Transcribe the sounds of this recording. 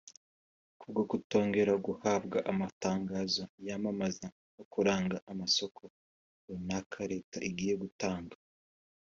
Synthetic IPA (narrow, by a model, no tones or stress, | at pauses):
kʰub̚ɡokuto̞ːŋɡe̞ɾaɡuhab̚ɡaʔamataːŋɡaːzojamamaza | nokuɾaːŋɡaʔamaso̞kʰo̞ | unakʰaɾe̞ːtaʔiɡiːje̞ɡutaːŋɡa